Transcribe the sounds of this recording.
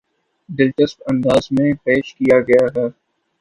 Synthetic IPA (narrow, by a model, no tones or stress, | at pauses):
d̪ɪlt͡ʃəspɐ̃nd̪aːzmẽpeːʃkijaɡɐjaɦɛː